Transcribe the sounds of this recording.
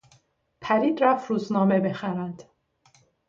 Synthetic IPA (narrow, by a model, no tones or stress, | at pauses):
pʰæɾid̪ɾafɾuznɑːmɛbɛχæɾænd̪̥